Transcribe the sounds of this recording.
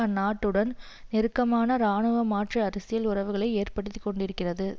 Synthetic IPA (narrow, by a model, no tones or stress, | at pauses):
nːaːʈːɯɽɐn | nɪɾɯkːɐmaːnɐɾaːɳɯʋɐmaːʈrɐɐɾɐsɪjɐlʊrɐʋɯɣɐɭɐɪeːrpɐɽɯt̪ːɯkːɔɳɖɪɾɯkːɪrɐðɯ